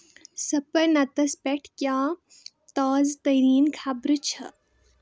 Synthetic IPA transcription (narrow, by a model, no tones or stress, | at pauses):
sɐpɐɾnɐt̪ɐspɛʈʰkjaː | t̪aːzt̪ɐjɾiːnkʰaːbɾut͡ʃʰɐ̰